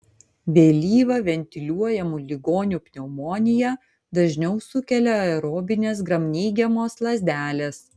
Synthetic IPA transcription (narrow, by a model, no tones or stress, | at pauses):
bʲeːlʲiːʋɐʋʲɛnʲt̪ʲɪlʲuɔjɛmulʲɪɡoːnʲupʲnʲɛʊmoːnʲɪjɛ | d̪ɐʒʲnʲɛʊsʊkʲɛlʲɛɛɾoːbʲɪnʲeːs̬ɡɾɐmʲnʲiːɡʲɛmoːslˠɐzʲd̪ʲæːlʲeːs